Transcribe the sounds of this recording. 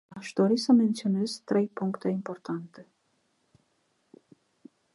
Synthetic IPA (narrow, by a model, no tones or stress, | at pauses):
aʃd̪o̞ɾisəme̞nt̪sio̞ne̞z̥t̪ɾe̞jpuŋkt̪e̞impo̞rt̪ant̪e̞